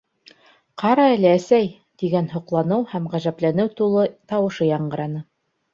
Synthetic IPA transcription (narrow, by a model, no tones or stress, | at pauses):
qɑɾɑælæːsæj | t̪iɡænɦŏqlˠɑnɤwhæmʁæʒæplænɘwt̪ulˠɤt̪ɑwɤ̆ʃɤjɑɴɢɤ̆ɾɑnɤ